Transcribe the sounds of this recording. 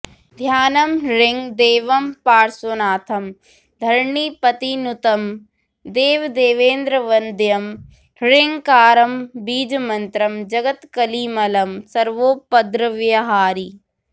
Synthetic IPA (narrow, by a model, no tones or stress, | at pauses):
d̪ʱjaːnɐmɾɪŋd̪eːʋɐmpaːɾsonaːt̪ʰɐm | d̪ʱɐɾɳiːpɐt̪inut̪ɐm | d̪eːʋd̪eːʋẽːnd̪ɾəʋɐnd̪jɐm | ɾɪŋkaːɾɐmbiːd͡ʒɐmɐnt̪ɾɐmd͡ʒɐɡɐt̪kɐliːmɐlɐmsɐɾʋoːpɐd̪ɾɐʋjɐɦaːɾi